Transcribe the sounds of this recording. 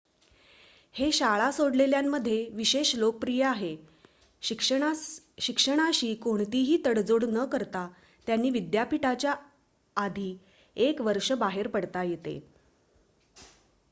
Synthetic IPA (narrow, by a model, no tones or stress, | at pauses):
heɕaɭasoɽleljamːəd̪ʱːjeʋiɕeɕlok̚pɾijəaɦe | k | ɕikʂəɽ̃aɕiːkoɳt̪iɦiːt̪əɽd͡zoɽnəkəɾt̪a | t̪janːiːʋid̪japiʈat͡ɕjaː | d̪ʱiː | ekʋəɾʂəbaɦeɾpəɽt̪ajet̪ḛ